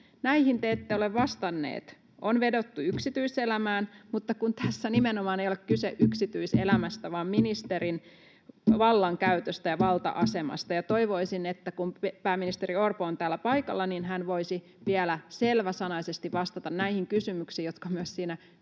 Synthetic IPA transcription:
næihint̪eet̪ːeoleʋʋɑst̪ɑnːḛːt̪ | ʔonʋedot̪ːuyksit̪yiselæmæːnmut̪ːɑkunt̪æsːænimenomɑːnejolekkyseʔʔyksit̪yisḛlæmæst̪æʋɑːmminist̪eɾin | ʋɑlːɑŋkæyt̪øst̪æjɑʋɑlt̪ɑ̰ʔɑsemɑ̰st̪ɑjɑt̪o̞iʋo̞isinet̪ːækumpæːminist̪eɾiorpoːnt̪æːlːæpɑikɑ̰lːɑninɦænʋoisi | ʋiælæselʋæsɑnɑisest̪iʋʋɑst̪ɑt̪ɑnnæihiŋkysymyksiːjjo̞t̪kɑmyøssiːnæ

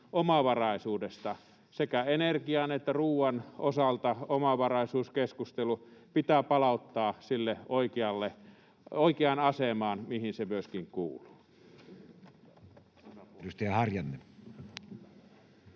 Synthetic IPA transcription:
ʔomɑʋɑrɑˑisuːdest̪ɑ | sekæenerkiɑːnet̪ːæruːwɑnosɑlt̪ɑomɑʋɑrɑˑisuːskeskust̪elupit̪æːpɑlɑˑut̪ːɑːsilːeoikiɑlːe | oikeɑnɑsemɑːnmihinsemyøskiŋkṵːluː | ust̪ɑjɑhɑrjɑnːe

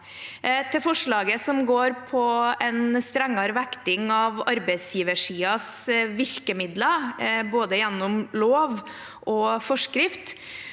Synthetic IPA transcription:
t̪ʰɪlfɔʂɭɑːɡəsɔmɡoːɾpʰɔɛnst̪ɾɛŋːɑɾʋɛkt̪ɪŋɑʋɑɾbɛɪsjiːʋəʂiːɑsʋɪɾkəmɪd̪ləboːd̪əjɛnːʊmloːʋ | ʔɔfɔʂkɾɪft̪

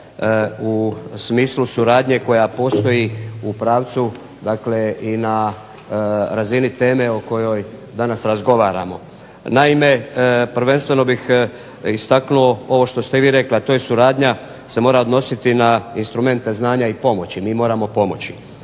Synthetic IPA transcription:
usmiːslusuɾaːd̪ɲe̞ko̞japo̞ːst̪o̞jiupɾaːʋt̪su | d̪akle̞ina | ɾazinit̪e̞ːme̞oko̞jo̞jd̪anasɾazɡo̞ʋaːɾa̰mo̞̰ | naime̞pɾʋe̞nst̪ʋe̞no̞bix | ist̪aknuo̞o̞ʋo̞ʃt̪o̞st̪eʋiːɾe̞kliat̪o̞jesuɾaːd̪ɲa | se̞mo̞ːɾaod̪no̞sit̪inainst̪ɾume̞nt̪e̞znaːɲaipo̞mo̞t͡ɕimiːmo̞ːɾamo̞po̞mo̞̰t͡ɕi̥

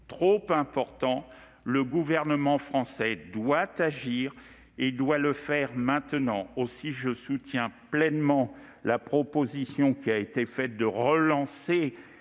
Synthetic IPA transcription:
t̪χopɛ̃pɔʁt̪ɑ̃ | ləɡuvɛʁnəmɑ̃fχɑ̃sɛd̪wat̪aʒiːʁ | ed̪waləfɛʁmɛ̃t̪ənɑ̃osiʒəsut̪jɛ̃plɛnmɑ̃ | lapχɔpozisjɔ̃kʲiaet̪efɛt̪̚d̪əʁəlɑ̃se

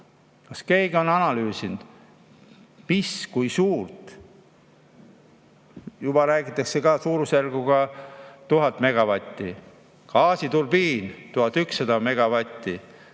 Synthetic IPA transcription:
kɑske̞ːɡ̥o̞nɑnɑlyːsind̪̥ | miskujsuːrt̪ | jubɑɾæːɡit̪ːˑɑkse̞ɡɑsuːɾuserɡ̥uɡɑt̪uɦɑt̪ːˑme̞ɡ̥ɑvɑt̪ʲːi | kɑːsit̪ulbiːnt̪uhɑt̪ːˑyksːɑd̪ɑme̞ɡ̥ɑvɑt̪ʲːi

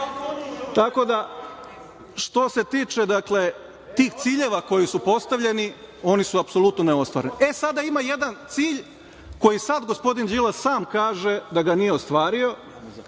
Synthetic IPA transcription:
t̪ako̞d̪a | ʃt̪o̞se̞t̪iːt͡ʃe̞d̪akle̞ | t̪iːxt̪siːʎe̞ʋako̞jisupo̞st̪aʋʎe̞nio̞nisuapso̞lˠut̪noneo̞st̪ʋa̰ːɾeniʔe̞sad̪aimaje̞d̪ant̪siːʎ | ko̞jisad̪ɡo̞spo̞d̪ind͡ʒilassaːmkaːʒe̞d̪aɡanije̞ost̪ʋaːɾio̞

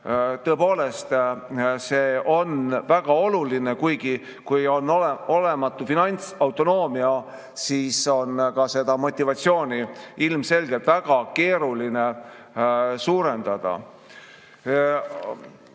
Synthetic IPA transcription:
t̪ɤ̞epo̞ːle̞st̪se̞ːʔo̞nvæɡ̥ɑo̞luline̞kujɡi | kujo̞nːoleo̞le̞mɑt̪ːˑufinɑnʲt̪sɑwt̪o̞no̞ːmiɑ | siːso̞nkɑse̞d̪̥ɑmo̞t̪ʲːivɑt̪sio̞ːnʲiilmse̞lɡ̥e̞lt̪væɡ̥ɑke̞ːɾuline̞ | suːɾend̪̥ɑd̪̥ɑ̰

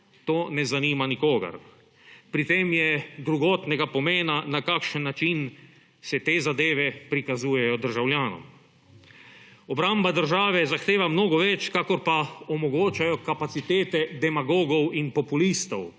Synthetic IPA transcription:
t̪oːnɛzaniːmanikoːɡa̰ɾ | pɾit̪eːmjɛd̪ɾuɡoːt̪nɛɡapɔmeːnanakakʃənːat͡ʃin | sɛt̪eːzad̪eːʋɛpɾikazuːjɛjɔd̪əɾʒawljaːnɔ̰m | ɔbɾambad̪əɾʒaːʋɛzaxt̪eːʋamnoːɡɔʋɛt͡ʃkakɔɾpaɔmɔɡoːt͡ʃajɔkapat̪sit̪eːt̪ɛd̪ɛmaɡoːɡɔwinpɔpulist̪ɔw

